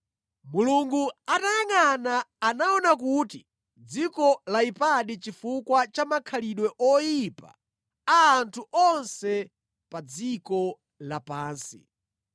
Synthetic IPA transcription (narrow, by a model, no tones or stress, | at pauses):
muluŋɡuatajaŋanaːnaɔnakuːti | d͡zikɔlaipaɗit͡ʃifukwat͡ʃamakʰaliɗwɛʔɔjipa̰ | aːntʰuʔɔnsɛ | pad͡zikɔ | lapaːnsḭ